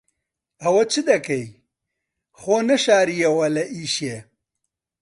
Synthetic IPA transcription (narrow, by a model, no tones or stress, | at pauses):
ɐwɐt͡ʃʰɨd̪ɐkɐj | xoːnɐʃaːɾijɐwɐlɐʔiʃe